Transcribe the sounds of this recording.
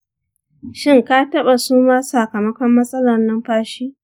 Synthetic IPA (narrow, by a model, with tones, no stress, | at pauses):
ʃɪ˦ŋkaː˦tɐ˦ɓa˨suː˦maː˦saː˨kɐ˨mɐ˦kʷɔ˦mːɐ˦sʼɐ˦lɐ˨rnɐ˦mɸaː˦ʃiː˦